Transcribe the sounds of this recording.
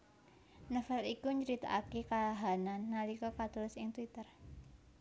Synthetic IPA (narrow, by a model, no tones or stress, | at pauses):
nəfalikuɲd͡ʒəɾit̪a̰ʔakikaaɦananːalikɔkat̪ulɪsɪŋt̪wit̪ər